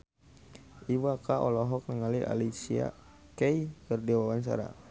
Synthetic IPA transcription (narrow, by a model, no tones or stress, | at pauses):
iwakaʔɔlɔɦɔk̚nəŋaliʔa̰lisia̰ | kɛikərdiwawansa̰ɾa̰